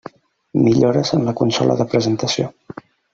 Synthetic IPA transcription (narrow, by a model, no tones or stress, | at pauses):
miʎoɾəzənləkunsɔlə̰ðəpɾəzənt̪əsio